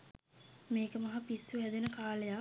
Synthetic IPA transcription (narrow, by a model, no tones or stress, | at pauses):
meːkəmɐɦapisːuɦæd̪enəkaːləja